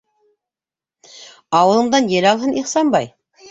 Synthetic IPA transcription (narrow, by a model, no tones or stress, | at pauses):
ɑwə̆lˠə̆ɴd̪ɑnjelʲɑlˠɦəniχsɑmbɑj